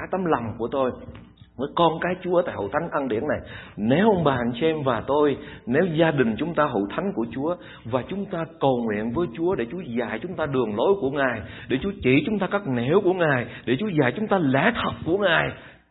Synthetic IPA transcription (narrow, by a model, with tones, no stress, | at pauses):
a˨˦jt̪ə˨˦mla˨˩wŋ͡mku˧˩ət̪o˧j | vəː˨˦jkɔ˧nkaː˨˦jt͡ɕu˨˦ə˦t̪a̰ː˧˨jho̰˧˨t̪ʰa˨˦ŋ̟ʔa˧nɗḭ˧˩ənːa˨˩jne˨˦wʔə˧wŋ͡mɓaː˨˩nsɛ˧mvaː˨˩t̪o˧jne˨˦wzaː˧ɗï˨˩ŋ̟t͡ɕʊ˨˦ŋ͡mt̪aː˧ɦo̰˧˨t̪ʰa˨˦jŋ̟ku˧˩ət͡ɕu˨˦ə | vaː˨˩t͡ɕʊ˨˦ŋ͡mt̪aː˧kə˨˩wŋwḭ˧˨ənvəː˨˦jt͡ɕu˨˦əɗe˧˩t͡ɕu˨˦əzaː˧˩˨jt͡ɕʊ˨˦ŋ͡mt̪aː˧ɗɨ˨˩əŋlo˨˦jku˧˩əŋaː˨˩jɗe˧˩t͡ɕu˨˦ət͡ɕi˧˩t͡ɕʊ˨˦ŋ͡mt̪aː˧kaː˦˥k̚ne˧˩wku˧˩əŋaː˨˩jɗe˧˩t͡ɕu˨˦əzaː˧˩jt͡ɕʊ˨˦ŋ͡mt̪aː˧lɛ˧˥t̪ʰə˨˩t̚ku˧˩əŋaː˨˩j